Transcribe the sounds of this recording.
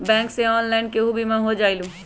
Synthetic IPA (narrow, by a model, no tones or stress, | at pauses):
bɛ̃ːkseɔːnlaɪnkeɦubʱimẽɦod͡ʒaːilũ